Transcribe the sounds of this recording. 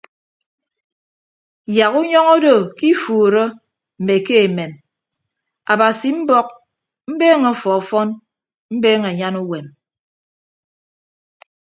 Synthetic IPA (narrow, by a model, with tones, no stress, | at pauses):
ja˨ɣu˦ɲɔ˦ŋo˦do˨ki˦fuː˨ɾɔ˦ | m̩˨me˨ke˦e˨me˨m | a˨ba˨si˨m̩˦bɔ˦k̚ | m̩˦beː˦ŋɔ˦fɔ˨ɔ˨fɔ˦n | m̩˦beː˦ŋe˨ɲa˦nu˦we˨m